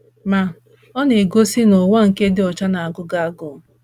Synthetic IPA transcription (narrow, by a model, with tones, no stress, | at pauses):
ma˨ | ɔ˦ne˨ɡo˦si˦no˨ŋʷa˦ŋ̩˨ke˦dɪ˦ɔ˨t͡ʃa˦na˨a˨ɡʊ˦ɡa˦a˦ɡʊ˦˨